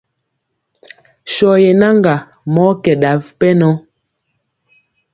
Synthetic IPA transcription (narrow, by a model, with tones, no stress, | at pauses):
ʃɔ˨jɛ˨na˦ŋɡa˨ | mɔ˦kɛ˨ɗa˨vpɛ˦nɔ˦